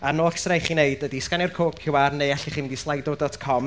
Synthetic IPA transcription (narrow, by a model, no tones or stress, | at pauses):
anoːɬsrajχiːneɨdədiskanɪrkʰoːbkʰɪwarnejaɬiχiːnɪndislˠajdɔdɔtʰkʰɔm